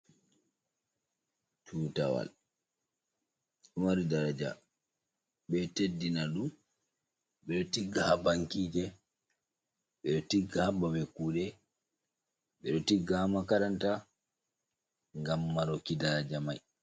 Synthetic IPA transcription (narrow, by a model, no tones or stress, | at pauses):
tʰuːta̰wa̰l | ɗɔmaɾidaɾad͡ʒa̰ | ɓɛtedːinaɗum | ɓɛɗɔtiɡːahabaŋkiːd͡ʒɛ | ɓɛɗɔtiɡahabamɛkuːɗɛ | ɓɛɗɔtiɡːahamakaɾanta | ŋɡamːaɾokidaɾad͡ʒamaj